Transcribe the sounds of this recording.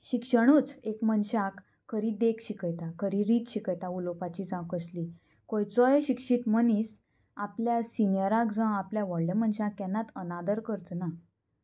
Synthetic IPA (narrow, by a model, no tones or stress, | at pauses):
ɕikʂəɽ̃uːt͡sekmənɕãkʰː | əɾid̪ekɕikəjt̪akəɾiɾiːt̪ɕikəjt̪aulopat͡ɕiːd͡zãkəsli | kojt͡sɔjɕikʂit̪məniːs | apljasinjəɾakd͡zãapljaʋɔɽləmənɕãkɛnːat̪ənad̪əɾkəɾt͡s̪na